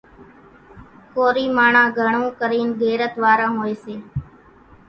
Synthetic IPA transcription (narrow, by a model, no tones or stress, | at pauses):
koːɾiːmaːɳãːɡʱəɳõːkəɾiːnɡeːɾət̪ʋaːɾãːɦoːeːseː